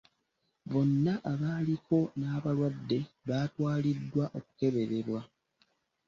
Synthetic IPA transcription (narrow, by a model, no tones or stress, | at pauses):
βo̞nːaʔaβaːliko̞naːβalwadːe̞βaːtwaːlidːwaʔo̞ku̥ke̞βe̞ɾe̞ɾwa